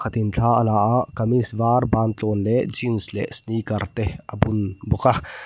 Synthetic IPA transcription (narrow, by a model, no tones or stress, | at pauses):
kʰɐt̪int͡ɬʰaɐlaakɐmisʋaːɾbãːnt̪loːnled͡ʒinslḛsniːkɐɾt̪eɐbʊnbʊka